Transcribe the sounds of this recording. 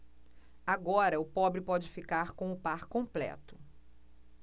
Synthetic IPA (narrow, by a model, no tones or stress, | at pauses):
aɡɔɾɐʊpɔbɾɪpɔd͡ʒɪfikaɾkõw̃ʊpaɾkõmplɛ̰t̪ʊ̥